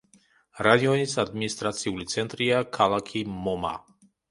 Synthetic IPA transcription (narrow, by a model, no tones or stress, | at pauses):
ɾad̪iɔnisad̪minist̪ɾat̪siulit̪sɛnt̪ɾiakʰalakʰimɔma̰